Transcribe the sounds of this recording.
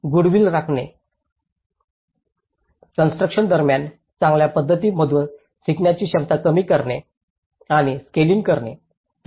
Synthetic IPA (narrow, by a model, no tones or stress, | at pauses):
ɡuɽʋiːlɾakʰɳe | kənsʈɾəkɕənd̪əɾmjan | t͡sãŋɡljapəd̪ʱːət̪iːm̤əd̪ʱuːn | siknjat͡ɕiːɕəb̚t̪akəmiːkəɾɳe | aɽ̃iskeliŋɡkəɾɳḛ